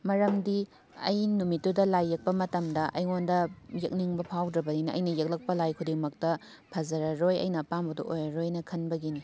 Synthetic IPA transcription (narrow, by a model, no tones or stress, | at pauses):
mɐɾɐmdi | ɐ̰jnumitːudɐlajːɐk̚pɐmɐtɐmdɐʔɐjŋondɐjɐk̚niŋbɐpʰawdɾɐbɐninɐʔɐ̰jnɐjek̚lɐk̚pɐlajkʰudiŋmɐk̚tɐ | pʰɐzɐɾɐɾojɐ̰jnɐpambɐdṵʔojɐɾojnɐkʰɐnbɐɡini